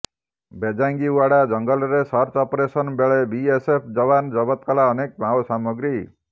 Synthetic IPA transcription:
bʱed͡zaŋɡiwaɽad͡zʌŋɡʌlɾesʌrt͡sɔpɾesʌnbeɭebiesepʰd͡zʌβand͡zʌbʌt̪̚kʌlaʌnek̚bʱawsamʌɡɾi

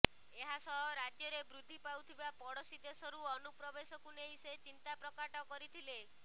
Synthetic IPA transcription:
eɦasɔɦɔɾad͡ʒjɔɾebɾud̪ʱːipawt̪ʰibapɔɽɔsid̪esɔɾuɔnupɾɔbesɔkuneiset͡ʃint̪apɾɔkaʈɔkɔɾit̪ʰile

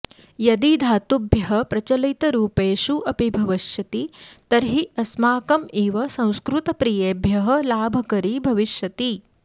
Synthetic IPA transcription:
jɐd̪id̪ʱaːt̪ubʱjɐɦɐ̆pɾɐt͡ʃɐlɐt̪ɐɾuːpeːʃuʔɐpibʱɐʋɐʃjɐt̪it̪ɐɾɦiɐsmaːkɐmiːʋɐsɐ̃w̃skɾut̪ɐpɾiːjeːbʱjɐɦɐ̆laːbʱɐkɐɾibʱɐʋiʃjɐt̪i

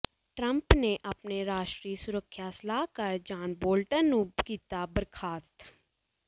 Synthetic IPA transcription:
ʈɾə̃mpneʔəpneɾaːʃʈɾiːsʊɾəkʰːjasəlaːkəɾd͡ʒaːnboːlʈənːũːkiːt̪abəɾkʰaːst̪

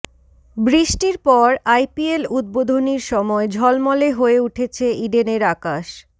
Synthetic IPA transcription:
bɾiʃʈiɾpɔɾajpielud̪̚bod̪ʱoniɾʃɔmɔed͡ʑʱɔlmɔleɦoeuʈʰet͡ɕʰeiɖeneɾakaʃ

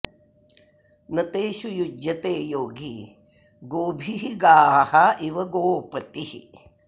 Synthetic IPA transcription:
nɐt̪eːʃujud͡ʒjɐt̪eːjoːɡʱḭ | ɡoːbʱiɦiɡaːhɐʔiʋɐɡoːpɐt̪ihḭ

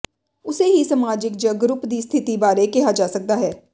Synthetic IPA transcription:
ʊseɦisɐmaːd͡ʒɪkd͡ʒɐɡɾʊpd̪iːst̪ʰɪt̪ibaːɾekɛɦad͡ʒaːsɐk̚d̪aɦɛː

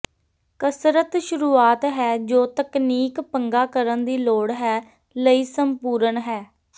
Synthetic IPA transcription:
kəsɾət̪ʃʊɾuːaːt̪ɦɛːd͡ʒoːt̪əkniːkpəŋɡaːkəɾənd̪iːloːɽɦɛː | ləiːsəmpuːɾənɦɛː

